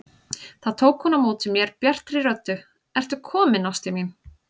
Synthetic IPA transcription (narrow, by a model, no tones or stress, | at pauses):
θaðt̪ʰoːwkhɔnamoːt̪ɪmjɛɾpjɛr̥t̪ɾiɾœt̪ːʏ | ɛr̥t̪ʏkʰɔːmɪnast̪ɪmjɛn